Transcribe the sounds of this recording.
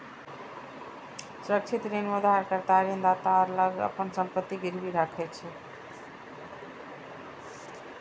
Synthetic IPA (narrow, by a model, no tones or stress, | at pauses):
sɾək̚t͡ʃʰit̪ɾenod̪aɦaɾkəɾt̪aɾind̪at̪aəɾləɡə̰pənsəmpət̪ːiɡiɾbiɾakʰɛt͡ʃʰɛ